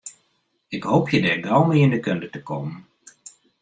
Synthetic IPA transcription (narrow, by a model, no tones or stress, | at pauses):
ɪkɦowpʰjədɛːɹdɔlˠmɪːɪndəkɵndətəkowmən